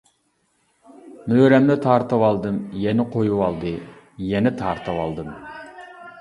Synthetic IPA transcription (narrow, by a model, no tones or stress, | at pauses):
møːɾɛmd̪ɛt̪ʰɑɾt̪ɨwɑlˠd̪ɨmjɛnɪqʰojuwɑlˠd̪ɨ | jɛnɛt̪ʰɑɾt̪ʰɨwɑlˠd̪ɨm